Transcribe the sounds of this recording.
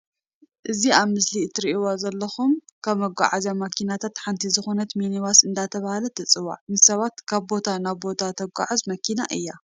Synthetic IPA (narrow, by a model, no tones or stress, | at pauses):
ʔɨziaβmɨslit̪ʰɨɾiʔiwazɐlːɐxumkʰɐβmːɐɡʷa̰ʕazjamɐkʰinat̪ʰat̪ħant̪ʰizɨxo̞nɐt̪meniβasɨnd̪at̪ʰɐβahalɐt̪ʰɐt͡sʼɨwa̰ʕnɨsɐβat̪kʰaβbo̞t̪ʰanaβbo̞t̪ʰat̪ʰɐɡʷa̰ʕazmɐkʰina̰ʔɨ̰jːa